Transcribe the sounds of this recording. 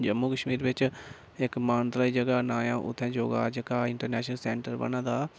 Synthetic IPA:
d͡ʒəmːuːkəʃmiːɾbɪt͡ʃ | ɪkmaːnt̪ɾaːiːd͡ʒəɡaːnaːjãːʔʊ̰t̪ʰːɛ̃ːd͡ʒoːɡa̰ːd͡ʒəkaːɪɳʈəɾnɛːʃnəlsɛːɳʈəɾbə̰nãːd̪aː

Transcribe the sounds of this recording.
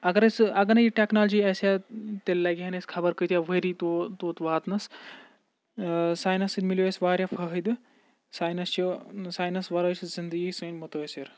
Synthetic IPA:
ɐɡɐɾɐsɐɡɐnɐiʈeknaːld͡ʒiːɐsjat̪elːɐɡʲiɦɐneskʰɐbɐɾkət̪jaʋəɾit̪ot̪oːt̪ʋaːt̪nɐs | saːjnɐsid̪miloesʋaːɾʲjafʰɐɦɨd̪ɨ | saːjnɐst͡ʃisaːjnɐsʋɐɾɐszind̪əɡisɐnʲmɐt̪osiɾ

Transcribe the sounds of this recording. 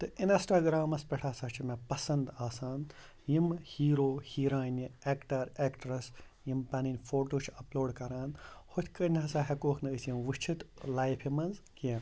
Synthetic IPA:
t̪ɨinɐsʈaɡɾaːmɐspʲɛʈʰaːsɐt͡ʃʰimepɐsɐnd̪aːsaːn | jimhiːɾoːhiːɾaːnʲieːkʈɐɾeːkʈɾɐs | jimpɐninʲfoːʈoːt͡ʃʰɐploːɽkɐɾaːnhot̪ʲʰkɐnʲɦɐsaːɦɐkoːkʰnɨəsjimʋɨʃt͡ʃʰit̪laːjpʰimɐnzkeːn

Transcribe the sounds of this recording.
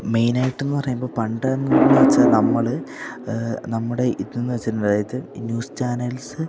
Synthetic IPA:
me̞jnaːjiʈːenːɨpɐrɐjumboːpɐɳɖɐmːunnːɐʋɐt͡ɕːaːnɐmːɐɭ | nɐmːuɽe̞ʔininːɨʋɐt͡ɕːiɾuɳɖaːjɐðɨnjuːst͡ɕaːnɐlsɨ

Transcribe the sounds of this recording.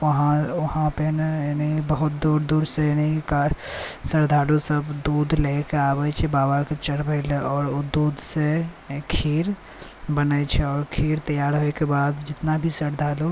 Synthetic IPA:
ʋəɦãʋəhãpeneniibəɦʊt̪̚d̪uɾd̪uːɾsenikasəɾd̪ʱaːlosəbd̪uːd̪ʱlekeaːbət͡ʃʰɛbaːbaket͡ʃəɽbʱeɪlɔːɾod̪uːd̪ʱse | kʰiːɾ | bənəjt͡ʃʰɛɔːɾkʰiːɾt̪əjaːɾɦoekebaːd̪d͡ʒɪt̪nabʱisəɾd̪ʱaːlo

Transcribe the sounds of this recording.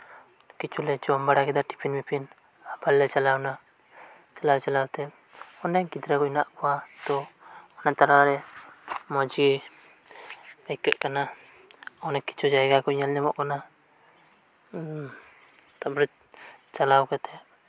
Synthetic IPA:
kit͡ʃʰulɛd͡ʒɔmbaɽakɛd̪aʈi̥pʰinmipʰin | abalːɛt͡ʃalawna | t͡ʃalawt͡ʃalawt̪ɛ | ɔnɛɡid̪ɾakɔnaʔkɔwat̪ɔɔnat̪aɾaɾɛ | mɔd͡ʒi | pajkɛʔkana | ɔnɛki̥t͡ʃʰud͡ʒajɡakɔɲalɲamɔʔkana | t̪abɾut̪̚ | t͡ʃalawkɛt̪ʰɛ

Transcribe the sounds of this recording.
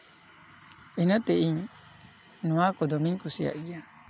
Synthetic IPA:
inət̪ɛʔiɲ | nuakɔd̪ɔmiɲkusija̰ʔɡija

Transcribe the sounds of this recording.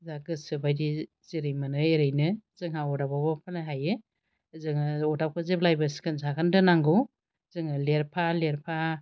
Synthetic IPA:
zaɡɯsɯbajdi | ziɾɯjmanɯeɾɯjnɯzɯŋɦaɔdababapʰalaɦajɯ | zɯŋɔdap̚kʰɯzeplajbɯsi̥kʰɯnsakʰandɯnaŋɡɯw | zɯŋɯleɾpʰaleɾpʰa

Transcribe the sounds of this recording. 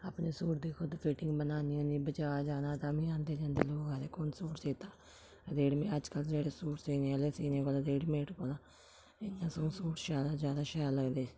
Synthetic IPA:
aːpneːsuːʈd̪iːkʰʊd̪pʰɪʈɪŋɡbənaːnijãːnĩːbət͡ʃaːd͡ʒaːnaːt̪aːmĩːãːnd̪eːd͡ʒãːnd̪eːloːkaːɾeːkonsuːʈseːt̪aː | ɾeːɽmeəd͡ʒkəld͡ʒeːɽeːsuːʈsiːnẽəleːsiːnẽːkoːlaːd̪eːɽmeːʈkoːlaː | ɪnːãːsõːsuːʈʃaːd̪aːzjaːd̪aːʃaːləɡd̪eː

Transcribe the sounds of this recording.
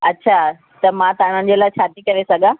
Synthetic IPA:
ɐtːɕʰaː | t̪ɐmãt̪ɐãɽ̤̃ənɪ̆d͡ʑeːlaːɪt͡ɕʰaːt̪ikɐɾesɐɡʱãː

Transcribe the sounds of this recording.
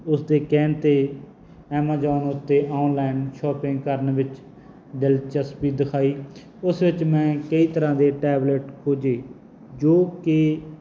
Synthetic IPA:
ʊsd̪eːkɛːnt̪eː | ɛːmaːd͡ʒaːnʊt̪ːeːʔɔːnlaːɪnʃɔːpɪ̃ŋɡkəɾnʋɪt͡ʃ | ɖɪlt͡ʃəspiːd̪ɪkʰaːiː | ʊsʋɪt͡ʃmɛ̃ːkəiːt̪əɾãːd̪eːʈɛːbləʈkʰoːd͡ʒeː | d͡ʒoːkɪ

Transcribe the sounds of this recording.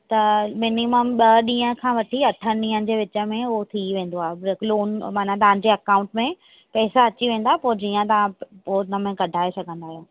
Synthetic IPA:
t̪ɐmɪniməmɓɐɗĩːə̃kʰãːʋɐʈʰiɐʈʰəɗĩːənɪ̆d͡ʑeːʋɪt͡ɕə̆mẽʊot̪ʰiʋẽːn̆d̪oaːɦebɾɪkloːnmaːn̤at̪̬ɐʋ̤ɦãɲ̆d͡ʑeːɐkãːʊ̃ɳʈmẽ | pɛːsaɐt͡ɕiʋẽːn̆d̪aɦepoːd͡ʑiːə̃t̪ɐʋãpoːnəmẽkɐɖʱaːesɐɡʱə̃nd̪aːɦjõː

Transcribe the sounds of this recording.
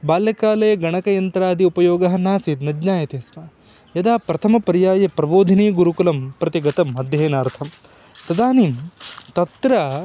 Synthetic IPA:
baːljɐkaːlɐjɐɡɐɳɐkɐjɐnt̪ɾaːd̪iupɐjoːɡɐɦɐnaːsiːt̪nɐd͡ʒɲaːjɐt̪eɐsʋɐː | jɐd̪aːpɾɐt̪ʰɐmɐpɐɾjaːjɐpɾɐboːd̪ʱɐniːɡuɾukulɐmpɾɐt̪iɡɐt̪ɐmːɐd̪ʱjeːnaːɾt̪ʰɐm | t̪ɐd̪aːniːmt̪ɐt̪ɾɐ

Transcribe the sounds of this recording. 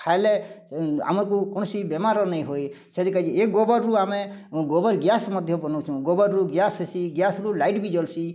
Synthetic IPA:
kʰajle | a̰mɔɾkukɔɳ̃ɔsibemaɾɔnəĩɦoj | sed̪ikaid͡ʒieɡobɔɾːuameɡobəɾɡjasmɔd̪ʱjɔbɔnɔwt͡ʃʰũɡobəɾɾuɡjasesiɡjasɾulaiʈbid͡ʒɔlsi

